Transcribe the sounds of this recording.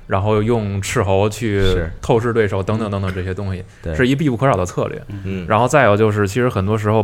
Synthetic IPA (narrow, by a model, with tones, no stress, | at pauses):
ɻa˧˥nxo˥˧ʊjʊ˥˧ŋʈ͡ʂʰɻ̩˥˩xo˧˥ʊt͡ɕʰy˥˧t̪ʰo˥˧ʊʂ̬ɻ̩˥˧t̪we˥˩ɪʂo˨˩ʊt̪ɤ˧˥ŋt̪ɤ˧˩ŋt̪ŋt̪ɤ˧˩˧ʈ͡ʂɤ˥˩jɛ˥t̪ʊ˥ŋɕi˨˩ | ʂɻ̩˥˧i˥p̬i˥˧pu˥˩kʰɤ˧˥ʂɑ˨˩d̪ə˦t͡sʰɤ̰˥˧lɥɛ̰˥˩ɻa˧˥nxo˥˧ʊt͡sa˥˧ɪjo˨˩ʊt͡ɕjo˥˧ʊʂ̬ɻ̩˥˩t͡ɕʰi˧˥ʂɻ̩˧˥xə˨˩nt̪wɔ˥ʂɻ̩˧˥xo˧ʊ